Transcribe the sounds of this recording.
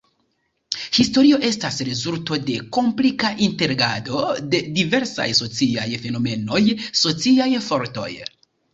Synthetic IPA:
histo̞ɾio̞ʔe̞stasɾezulto̞de̞ko̞mplikaʔinte̞ɾɡa̰do̞de̞dive̞ɾsa̰jso̞t͡sia̰jfe̞no̞me̞no̞jso̞t͡siajfo̞ɾto̞̰j

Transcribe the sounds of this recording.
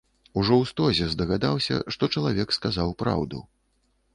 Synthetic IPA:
uʐɔwst̪ɔzʲɛzd̪ɐɣad̪awsʲɐ̰ʂt̪ɔt͡ʂɐlˠavʲɛkskazawpɾa̰wd̪ṵ

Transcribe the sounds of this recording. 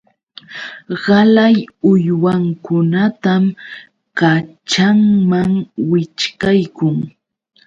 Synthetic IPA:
ɢɑlajʊjwaŋkʊnat̪am | kat͡ʃaŋmaŋwɪt͡ʃkajkʊŋ

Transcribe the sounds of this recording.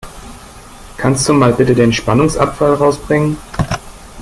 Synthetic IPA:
kʰanst̚d̥uːmaːlbɪtədeːnʃpanʊŋsʔa̰pfalʁaʊsb̥ʁɪŋən

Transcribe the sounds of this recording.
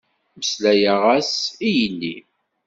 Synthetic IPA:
məslæjaʁæsijəlːi

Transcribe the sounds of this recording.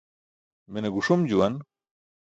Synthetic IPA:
meneɡuʂumd͡ʑuwɐn

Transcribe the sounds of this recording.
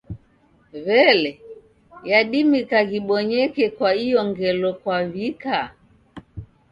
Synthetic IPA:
βɛlɛ | jaɗimikaɣiɓɔɲɛkɛkwaijɔŋɡɛlɔkwaβika

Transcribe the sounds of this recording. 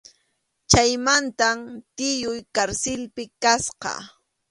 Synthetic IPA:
t͡ʃajmant̪amt̪ɪjʊjkaɾsɪlpɪkasqɑ̰

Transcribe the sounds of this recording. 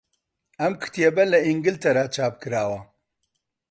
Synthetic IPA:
ɐmkʰɨ̥t̪ʰjebɐlɐiŋɡɨlt̪ɐɾaːt͡ʃaːp̚kɨɾaːwɐ

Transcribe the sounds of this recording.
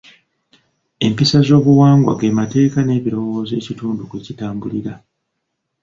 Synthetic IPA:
e̞mpisazo̞ːβuwaːŋɡwa̰ɡe̞mate̞ːkane̞ːβiɾo̞wo̞ːze̞ːcituːndukwecitaːmbuliɾa

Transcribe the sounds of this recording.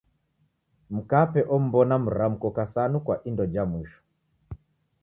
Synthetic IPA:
m̩kapɛʔɔm̩bɔnam̩ɾam̩kɔkasanukwaʔindɔd͡ʒamwiʃɔ̥

